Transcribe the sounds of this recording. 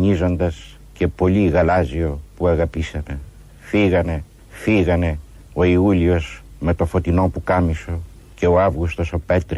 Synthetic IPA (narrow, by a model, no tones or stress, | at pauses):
ɲizand̪as | kepoliɡalaziopuaɡapisanə | fiɡane | fiɣane | waiuljusmat̪ofot̪inõpukamiso | kewavɡust̪osopet̪ɾ